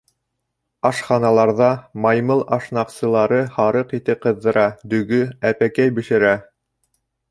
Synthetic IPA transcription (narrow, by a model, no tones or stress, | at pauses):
ɑʃχɑnɑlˠɑɾðɑmɑjmɤlˠɑʃnɑqsɤ̆lˠɑɾɤhɑɾɤqit̪ɘp̚qɤ̆ðːɤ̆ɾɑd̪ɵ̆ɡɵæpækæjbɘ̆ʃɘ̆ɾæ